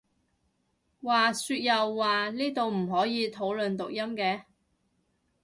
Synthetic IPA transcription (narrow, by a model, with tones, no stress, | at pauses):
waː˨syː˧t̚jɐ˨wːaː˨niː˥t̪o˨wm̩˨˩ɦɔː˨˥jiː˨˧t̪ʰo˨˥wlɵ˨nt̪ʊ˨k̚jɐ˥mkɛː˧